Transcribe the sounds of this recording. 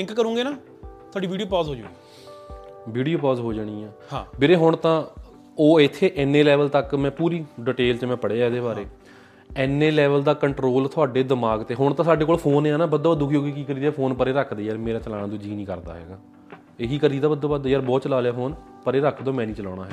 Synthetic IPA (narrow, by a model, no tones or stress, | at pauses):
ɪ̃ŋkkəɾũːŋɡeːnaː | t̪ʰʊaːɖiːʋiːɖijoːpɔːzɦoːd͡ʒũːɡi | ʋiːɖijoːpɔːzɦoːd͡ʒaːɽ̃iːɛːabɪɾeːɦʊɳt̪ãː | oːɪt̪ʰːeːʔɛnːeːlɛːʋəlt̪əkmɛ̃ːpuːɾiːɖɪʈeːlt͡ʃmɛ̃ːpəɽeːaːɛd̪eːbaːɾeː | ɛːnːeːlɛːʋəld̪aːkəɳʈɾoːlt̪ʰʊaːɖeːd̪əmaːɡt̪eːɦʊɳt̪ãːsaːɖeːkoːlpʰoːnːaːnaːbəd̪oːbəd̪ʊːkʰjoːɡiːkiːkəɾiːd̪aːpʰoːnpəɾeːɾəkʰd̪eːjaːɾmeːɾaːt͡ʃəlaːñaːd̪õːd͡ʒiːnĩːkəɾd̪a̰ːɦɛ̰ːɡaː | eːɦiːkəɾiːd̪aːbəd̪ːõːbəd̪oːjaːɾbɔːt̪t͡ʃəlaːljaːfoːn | pəɾeːɾəkʰd̪oːmɛ̃ːnĩːt͡ʃəlɔ̰ːɽ̃a̰ːɦɛː